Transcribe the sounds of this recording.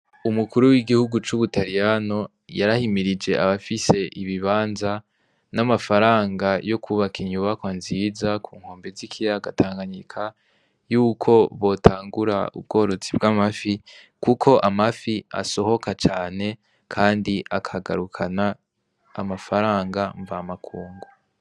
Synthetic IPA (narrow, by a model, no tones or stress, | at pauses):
umukuɾuwiɡihuɡut͡ʃuβutaɾijano̞ | jaɾahimiɾid͡ʒe̞ʔaβafise̞ʔiβiβaːnza | namafaɾaːŋɡajo̞kʰuβakʰiɲuβakwanzizakʰuːŋ̥ho̞ːmbe̞zikʰijaɡatʰaːŋɡaɲikʰa | juːkʰo̞βo̞tʰaːŋɡuɾaṵbɡo̞ːɾo̞zibɡamafi | kukʰo̞ʔamafia̰so̞ho̞kat͡ʃaːne̞ | kʰaːndiʔakʰaɡaɾukʰanaː | mafaɾaːŋɡaɱvamakʰuːŋɡo